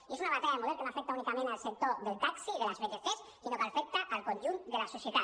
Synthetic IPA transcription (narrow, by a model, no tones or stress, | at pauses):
iesunaβant̪aʎaðemoelkenoafek̚t̪aunikamẽnalsek̚t̪oðelt̪aksiðelazβeʎest̪es | sinopeɾfek̚t̪aʔalˠkonʲʒund̪elasosjet̪a